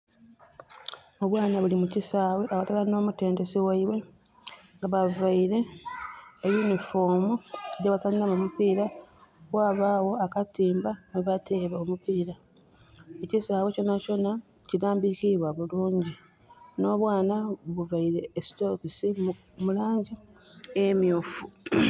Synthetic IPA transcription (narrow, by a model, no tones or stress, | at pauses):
oβwaːnaβulimucisaːwe̞ʔaβatalano̞ːmute̞ːnde̞siwaiβwe̞ | ŋɡaβavaiɾe̞ː | junifoːmueɟaβasanilamumupiːɾaβwaːβaːwo̞akatiːmbaneβatʰe̞βaomupiːɾa | ecisaːβweco̞naco̞na | ciɾaːmbikiβwaβuluːɲɟi | no̞ːβwaːnaβuvaiɾe̞ːsto̞kisi | mulaːɲɟiemjoːfu